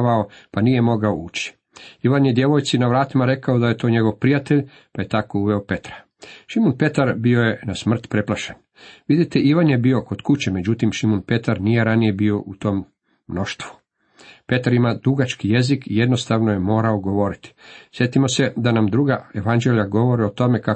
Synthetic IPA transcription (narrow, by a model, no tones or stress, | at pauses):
ao̞panijemo̞ɡaouːt͡ɕi̥ | iʋanjed̪je̞ʋo̞jt̪sinaʋɾaːt̪imaɾe̞kaod̪aje̞t̪o̞ːɲe̞ɡo̞ʋpɾijat̪eʎ | paje̞t̪akouʋe̞ope̞t̪ɾḁ | ʃimunpe̞t̪aɾbio̞je̞nasmr̩t̪pɾe̞plˠaʃen | ʋid̪it̪eʔiʋanjebio̞ko̞d̪̥kut͡ɕeme̞d͡ʑut̪imʃimunpe̞t̪aɾnije̞ɾanije̞bio̞ʔut̪o̞ːmː | no̞ʃt̪ʋu̥ | pe̞t̪aɾimad̪uɡat͡ʃkije̞zikije̞d̪no̞st̪aʋnoje̞mo̞ːɾaoɡo̞ʋo̞ɾit̪i̥sje̞t̪imo̞se̞d̪anamd̪ɾuɡaeʋand͡ʒelʎaɡo̞ʋo̞ɾiot̪o̞me̞ka